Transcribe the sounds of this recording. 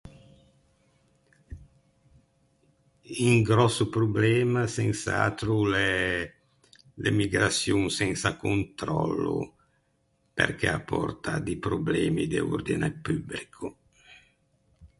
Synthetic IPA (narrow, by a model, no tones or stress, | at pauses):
iŋɡɾɔsːupɾublɛːmasɛnsa̰t̪ɾulɛ | lemiɡɾasjuŋsɛnsakunt̪ɾɔ̰lːṵ | pḛrkɛapʰːɔrt̪ad̪ipɾublɛːmid̪eṵrd̪inepyblikʰu